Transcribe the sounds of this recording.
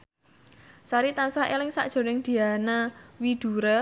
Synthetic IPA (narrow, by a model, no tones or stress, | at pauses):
saɾit̪ansaʔelɪŋsa̰ʔd̥ʒ̥o̤nɪŋd̪̥i̤anawid̪̥ṳɾa